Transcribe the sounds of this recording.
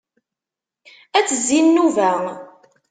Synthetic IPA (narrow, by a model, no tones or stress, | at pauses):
æt͡sːəzːinnːuvæ